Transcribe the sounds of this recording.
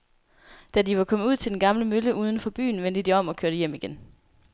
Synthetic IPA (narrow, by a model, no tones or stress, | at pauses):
d̥ædiʋɑ̈kʰɒ̽məuð̰ˠt͡sʰe̝d̥enɡ̥ɑ̈mləmøləʔuːð̞ˠən̩fɒ̽b̥y̰ːn̩ʋen̰d̥əd̥iɒ̽m̰ɒ̽kʰøɐɾəjem̰iɡ̥en